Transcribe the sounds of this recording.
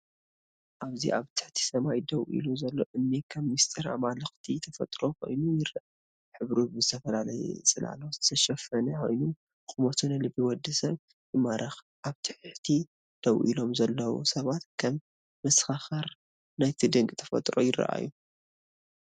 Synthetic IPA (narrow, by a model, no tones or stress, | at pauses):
ʔaβzḭʔaβt̪ʰɨ̥ħt̪ʰi̥sɐmajd̪ɐwʔḭluzɐlːo̰ʔɨnːikʰɐmːist̪ʼɨɾa̰malɨxt̪ʰit̪ʰɐfɐ̰t̪ʼɾo̞kʰo̞̰jnujɪɾaʔ | ħɨβɾubɨzɨt̪ʰɐfɐlalɐjɛ̰sʼɨlʔa̰lozɨ̥t̪ʰɐʃɐfɐnɐkʰo̞̰jnum | kʼumɐt̪ʰunɨlɨbːiwɔd̪ːɨsɐβ | jɨmaɾʔɐx | ʔaβt̪ʰɨħħt̪ʰi | d̪̥ɐwʔḭlo̞mzɐlːɐwo̰sɐβat̪kʰɐmː | ɐsxaxaɾ | najt̪ʰid̪ɨŋkʼt̪ʰɐ̥fɐ̰t̪ʼɾo̞̰jɪrːɐ̰ʔa̰ju